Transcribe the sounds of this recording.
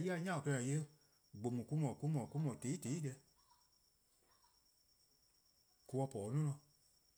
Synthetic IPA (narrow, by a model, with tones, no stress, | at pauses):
ji˦a˧˦ɲã˦˨kɜ˧ã˨je˦ | ɡ͡bo˨mũ˨ku˦mɔ̃˨ku˦mɔ̃˨ku˦mɔ̃˨te˨˦te˨˦dɛ˧˦ | ku˨˧wɔ˧pɔː˨˦nɔ̃˦nɔ̃˨